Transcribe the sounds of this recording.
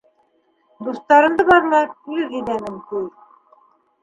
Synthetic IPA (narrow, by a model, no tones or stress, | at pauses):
d̪ust̪ɑɾɤ̆nd̪ɤβɑɾlˠɑizid̪ænɘmkuj̪